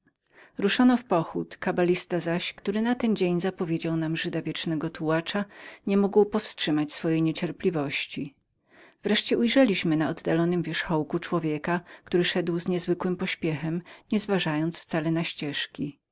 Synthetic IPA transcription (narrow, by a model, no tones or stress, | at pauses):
ɾuʂɔnɔfpɔxut̪kabalʲist̪azaɕkt̪uɾɘnat̪ɛnd͡ʑeɲzapɔvʲjed͡ʑawnamʐɘd̪avʲjɛt͡ʂnɛɡɔt̪uwat͡ʂaɲɛmuɡwpɔfstʂɘmat͡ɕsfɔjejɲɛt͡ɕɛɾplʲivɔɕt͡ɕi | vɾɛʂt͡ɕɛʔujʐɛlʲiɕmɘnaɔd̪ːalɔnɘmvʲjɛʂxɔwkut͡ʂwɔvʲjɛkakt̪uɾɘʂɛd̪wzɲɛzvɘkwɘmpɔɕpʲjɛxɛmɲɛzvaʐajɔnt̪sft̪salɛnaɕt͡ɕɛʂkʲi